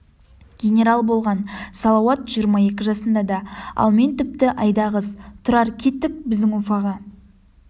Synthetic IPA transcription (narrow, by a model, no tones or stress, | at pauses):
ɡʲe̞nʲe̞ɾɑlˠbo̞lˠʁɑnsɑlˠɑwɑt̪ʒ̥ijəɾmɑje̞kʲɪʒɑsənd̪ɑd̪ɑɑ̰lˠme̞nt̪ɪp̚t̪ɪʔɑjd̪ɑʁəzt̪ʰʊɾɑɾkʲʰe̞t̪ːɪk̚bɪzd̪ɪŋwofɑʁɑ